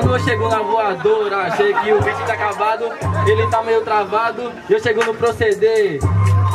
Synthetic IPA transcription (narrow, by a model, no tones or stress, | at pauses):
kɐ̃nd̪õewʃeɡownɐvoad̪oɾɐaʃejʊkɪʊɦit͡ʃĩd͡ʒakavad̪ʊelɪt̪amejʊt̪ɾavad̪ʊ | ewʃeɡownʊpɾosed̪e